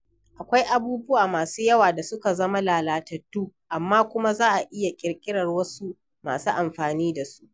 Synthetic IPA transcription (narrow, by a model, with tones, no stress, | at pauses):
ʔa˨kʷa˦jʔa˨buː˦bʊ˦waː˨maː˨suː˦jɐ˦waː˨da˨sʊ˦ka˨zɐ˦ma˦laː˨laː˨tɐ˨tːuː˦ʔa˨mːaː˦kʷʊ˦ma˦zaː˦ʔa˨ʔɪ˦ja˨kʲʼɪ˨rkʲʼɪ˦ɽɐ˨rwɐ˦su˦ | ma̰ː˨su˦ʔa˨mɸaː˨niː˦da˨su̥˦ʔ